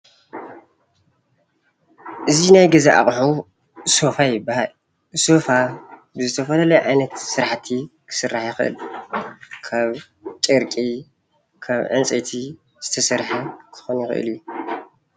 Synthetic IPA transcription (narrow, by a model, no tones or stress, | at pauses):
ʔɨzinajɡɐzaʔa̰χʼħu | sofajɪbːahal | sofa | bɨzɨt̪ʰɐfɐlɐlɐjʕajnɐt̪sɨɾaħt̪ʰikʰɨ̥sɨrːaħjɪxɨʔɨ̰l | kʰaβ | t͡ʃʼɨɾkʼi | kʰaβʕɨ̰nt͡sʼɐt̪ʰi | z̥ɨt̪ʰɐsɐɾħɐkʰɨ̥xonjɪxɨ̰ʔɨ̰lju